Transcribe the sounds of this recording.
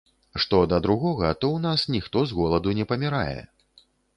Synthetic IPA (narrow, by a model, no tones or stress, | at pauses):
ʂt̪ɔd̪ɐd̪ɾuɣɔɣɐt̪ɔwnasnʲixt̪ɔzɣɔlˠɐd̪unʲɛpɐmʲiɾa̰jɛ̰